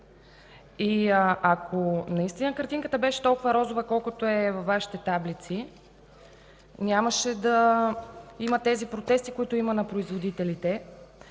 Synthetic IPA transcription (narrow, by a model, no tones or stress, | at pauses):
iʔɐkʰonɐist̪inəkəɾt̪iŋkət̪əbɛʃɛ̥t̪ɔlˠkʊvɐɾɔzʊvəkɔlˠkʊt̪oɛvɐfvːaʃi̥t̪ɛt̪ablit̪si | nʲaməʃɛd̪ɐ | imɐt̪ɛzipɾot̪ɛst̪ikoit̪oimənɐpɾoizvod̪it̪ɛlit̪ɛ